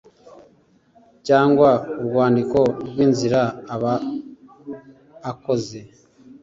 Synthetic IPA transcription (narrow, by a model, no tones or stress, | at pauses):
caːŋɡwauβɡwaːndiko̞ɾɡwiːnziɾaːβa | ko̞ze̞